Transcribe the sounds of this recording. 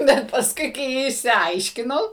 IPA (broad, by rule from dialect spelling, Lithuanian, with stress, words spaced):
ˈbʲɛt pɐsˈkʊɪ kɐɪ ɪʃʲsʲɪˈɐɪʃʲkʲɪnɐʊ